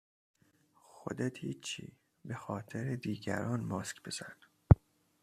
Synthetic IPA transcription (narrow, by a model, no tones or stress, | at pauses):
xo̰d̪et̪hiːt͡ʃʰːḭː | bexɒːt̪ʰeɾed̪iːɟæ̰ɾɒːnmɒːskbe̞z̥æn̥